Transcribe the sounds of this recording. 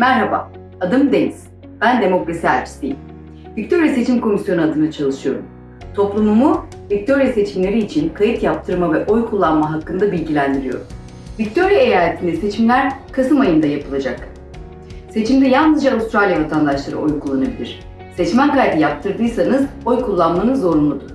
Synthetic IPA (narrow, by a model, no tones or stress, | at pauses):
mæɾɦaba̰ | ad̪ɯmd̪eniz̥ | b̥ænd̪e̞mo̞kɾasiɦæ̰ɾpsd̪iji | vic̚t̪ʰo̞ɾijase̞t͡ʃʰimkʰo̞misjo̞nuad̪ɯnat͡ʃʰalˠɯʃɯjo̞̰ɾum | t̪ʰo̞plˠumumu | vic̚t̪ʰo̞ɾijase̞t͡ʃʰimlʲe̞ɾiːt͡ʃʰinkʰajɯt̪jap̚t̪ʰɯɾmavɛʔo̞jkʰulˠːanmaɦakːɯnd̪abilʲɟilʲænd̪iɾijo̞̰ɾum | vic̚t̪ʰo̞ɾjaejaːlʲet̪ʰind̪ɛse̞t͡ʃʰimlʲæɾkʰasɯmajɯnd̪ajapʰɯlˠad͡ʒak | se̞t͡ʃʰimd̪ɛjannɯzd͡ʒaːust̪ɾalʲijavat̪ʰand̪aʃlˠaɾɯ̰ʔo̞jkʰulˠːanabilʲiɾ̥ | sɛt͡ʃmænkaɾd̪ijap̚t̪ʰɯɾd̪ɯjsanɯzo̞jkʰulˠːanmanɯzo̞ɾunˠud̪u